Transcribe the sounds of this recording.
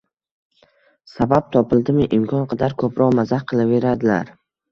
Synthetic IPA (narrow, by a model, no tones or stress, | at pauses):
sabap̚t̪ʰɒpʰɪlˠd̪ɪmɪʔɪmkʰɒnqʰɑd̪aɾkʰɵpɾɒʁmazahqʰɨlˠave̞ɾad̪ɪla̰ɾ